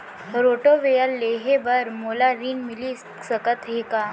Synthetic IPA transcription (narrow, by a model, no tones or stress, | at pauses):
ɾoːʈoʋeəlːeːɦebɐɾmoːlaɾiːnmɪli | səkət̪ɦekaː